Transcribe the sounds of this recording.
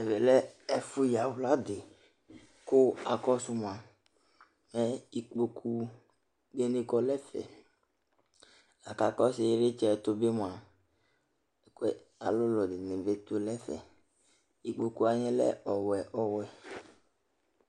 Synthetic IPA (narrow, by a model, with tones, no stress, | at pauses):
ɛ˨vɛ˨lɛ˦ɛ˦fu˦ja˨wla˦d̪e˨ | ko˦a˨kɔ˦su˧m˨a˨ | mɛ˦i˦k͡po˨kʰu˦ | de˦nẽ˦kɔ˦lɛ˦fɛ̰˨ | a˨ka˨kɔ˦sɪ˨˦ɾe˦t͡ʃɛ˦˨t̪o˦be˦m˨a˨ | kɛ˦ | a̰˨lʊ˦lɔ˨d̪e˨nẽ˨be˦t̪o˦lɛ˦fɛ̰˨ | i˨k͡po˨ku˦a˨ɲẽ˦lɛ̰˦ɔ˨wɛ˨ʔɔ˨wɛ˨